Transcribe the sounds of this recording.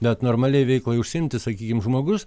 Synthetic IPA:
bʲɛt̪noːɾmɑːlʲɛɪʋʲɛɪklˠɐɪʊʃʲsʲɪɪmʲt̪ʲɪsɐkʲiːkʲɪmʒmoːɡʊs

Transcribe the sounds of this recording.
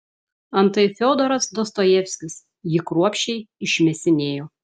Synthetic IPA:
ɐnt̪ɐɪfʲɛʊd̪oɾɐsd̪oːst̪oːjɛfʲsʲkʲɪs | jɪkɾuɔpʲʃʲt͡ʃʲɛɪɪʃʲmʲɛsʲɪnʲeːjoː

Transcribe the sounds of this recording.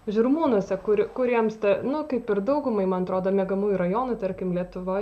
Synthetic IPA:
ʒʲʊɾmuːnuɔsʲɛkʊɾʲɪkʊɾʲiɛmst̪ʲɛnʊkɐɪpɪɾd̪ɐʊɡʊmɐɪmɐnɐt̪ɾoːd̪oːmʲɛɡɐmuːjʊɾɐjoːnʊt̪ɐɾʲkʲɪmlʲiɛt̪ʊʋoːj

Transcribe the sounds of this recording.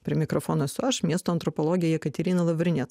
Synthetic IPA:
pʲɾʲɪɛmʲɪkɾofoːnɐsʲʊɐʃmʲiɛst̪oːɐnt̪ɾɔpɔlˠoːɡʲɪjoːjɛkɐt̪ʲɛɾʲinɐlˠɐʋʲɾʲɪnʲɛt̪

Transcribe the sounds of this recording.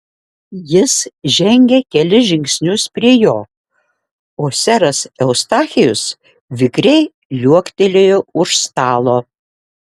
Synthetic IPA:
jɪsʒʲɛŋʲɡʲɛkʲɛlʲɪʒʲɪŋʲksʲnʲʊspʲɾʲiɛjoː | oːsʲɛɾɐsɛʊst̪ɑːxʲɪjʊs | ʋʲɪkɾʲɛɪ | lʲuɔkʲt̪ʲelʲeːjʊʊʃst̪ɑːlˠoː

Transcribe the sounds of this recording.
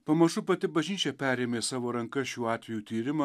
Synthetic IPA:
pɐmɐʃʊpɐt̪ʲɪbɐʒʲnʲiːt͡ʃʲɛpʲæːɾʲeːmʲeːsɑːʋoːɾɐŋkɐʃʲuːɑːt̪ʲʋʲɛjuːt̪ʲiːɾʲɪmɐ

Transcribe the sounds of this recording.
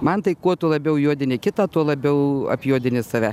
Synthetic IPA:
mɐnt̪ɐɪkuɔt̪ʊlˠɐbʲɛʊjuɔd̪ʲɪnʲɪkʲɪt̪ɑːt̪uɔlˠɐbʲɛʊɐ̰pʲjuɔd̪ʲɪnʲɪsɐʋʲɛ

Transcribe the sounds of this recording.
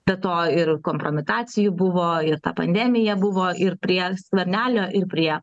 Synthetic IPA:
bʲɛt̪oːɪrkoːmpɾoːmʲɪt̪ɑːt͡s̪ʲɪjʊbʊʋoːɪɾt̪ɐpɐnʲd̪ʲæːmʲɪjɛbʊʋoːʔɪrpʲɾʲiɛskʋʲɛɾʲnʲæːlʲoːʔɪrpʲɾʲiɛ

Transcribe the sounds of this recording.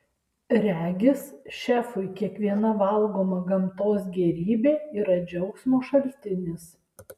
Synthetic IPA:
ɾʲæːɡʲɪsʃʲæːfʊɪkʲiɛkʋʲiɛnɐʋɐlˠɡoːmɐɡɐmt̪oːsɡʲɛɾʲiːbʲeːiːɾɐd͡ʒʲɛʊksʲmoːʃɐlʲt̪ʲɪnʲɪs

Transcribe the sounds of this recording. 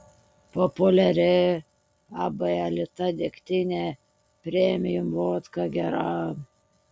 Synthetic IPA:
pɔpʊlʲɛɾʲɪ | ɑbɐɐlʲɪt̪ɐd̪ʲekt̪ʲɪnʲe | pʲɾʲeɛmʲɪjʊmʋoːt̪kɑɡʲɛɾɑ

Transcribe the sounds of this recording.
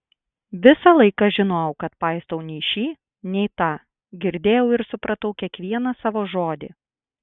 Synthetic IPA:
ʋʲɪsɑlˠɐɪkɑʒʲɪnoːʊkɐt̪pɑɪst̪oʊnʲɛʃʲiː | nʲɛɪt̪ɑː | ɡʲɪɾʲd̪ʲeːjɛʊɪɾsʊpɾɐt̪ɐʊkʲiɛkʋʲiɛnɐsɑːʋoːʒoːd̪ʲɪ̰

